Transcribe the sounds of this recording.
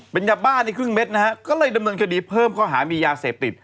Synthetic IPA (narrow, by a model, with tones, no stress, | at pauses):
pe˧nja˦˧t̚baː˥˩nːiː˧˩kʰɯ˥˩ŋme˦˥t̪̚na˦ka˦˥kɔː˥˩lɤː˧jda˧mnɤː˧nkʰa˧diː˧pʰɤː˥˩mkʰɔː˥˩ɦaː˩˦miː˧jaː˧seː˨˩p̚t̪i˨˩t̪̚